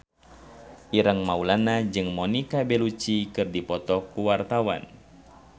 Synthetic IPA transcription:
ʔiɾəŋmaulanad͡ʒɨŋmɔnikabɛlut͡ʃikɨrdipɔt̪ɔkuwart̪awa̰n

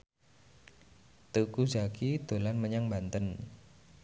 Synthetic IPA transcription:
t̪ukuzakid̪̥o̤lanməɲaŋbant̪ən

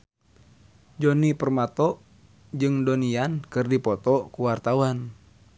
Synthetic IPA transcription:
d͡ʒɔnipərmat̪ɔʔ | d͡ʒɨŋdoniankɨrdipɔt̪ɔkuwart̪awan

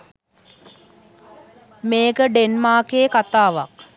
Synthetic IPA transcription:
meːɡəɖenmaːkeːkat̪aːʋa̰k

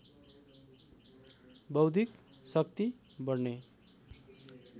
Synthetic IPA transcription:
bʌwd̪ʱik | sʌk̚t̪i | bʌrne

